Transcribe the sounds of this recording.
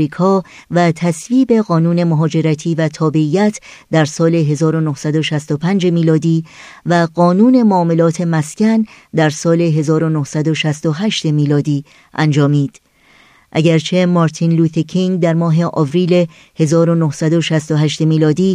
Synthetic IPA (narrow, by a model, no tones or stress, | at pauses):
ɾiːkʰɒː | væt̪ʰæsviːbe̞ɣɒːnuːne̞moɦɒːd͡ʒe̞ɾæt̪ʰiːvæt̪ʰɒːbe̞iːjæt̪ʰ | d̪æɾsɒːle̞ɦe̞zɒːɾonohsæd̪o̞ʃæst̪o̞pʰænd͡ʒe̞miːlɒːd̪iː | væɢɒːnuːne̞moːme̞lɒːt̪ʰe̞mæscænd̪æɾsɒːle̞ɦe̞zɒːɾonohsæd̪oʃæst̪o̞ɦæʃt̪e̞miːlɒːd̪iː | ʔænd͡ʒɒːmiːd̪̥ | ʔæ̰ɟæɾt͡ʃʰe̞mɒɾt̪ʰinluːt̪ʰekʰiŋd̪æɾmɒːɦe̞ʔɒːvɾiːle | he̞zɒːɾonohsæd̪oʃæst̪oɦæʃt̪emiːlɒːd̪iː